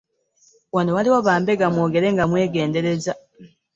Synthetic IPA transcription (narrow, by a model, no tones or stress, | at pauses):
wano̞waliwaβaːmbe̞ɡamwo̞ːɡe̞ɾe̞ŋɡamwe̞ːɡe̞ːnde̞ɾe̞za